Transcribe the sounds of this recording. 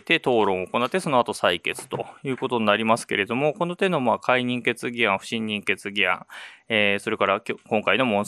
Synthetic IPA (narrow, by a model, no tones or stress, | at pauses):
t̪e̞t̪o̞ːɾõ̞ɰ̃oko̞nat̪ːe̞so̞noat̪o̞saike̞t͡sɨ̥t̪o̞̰jɯ̟ːko̞t̪o̞ɲinaɾʲimasɨ̥ke̞ɾe̞d̪o̞mo̞ko̞not̪ẽ̞nːomaːkʰaiɲ̟ĩŋke̞t͡sɨɡʲiãɰ̃ɸɯ̟̥ɕĩɲ̟ːĩŋke̞t͡sɨɡʲiã̰ŋ̃eːso̞ɾe̞kaɾakʲkõ̞ŋkaino̞mõ̞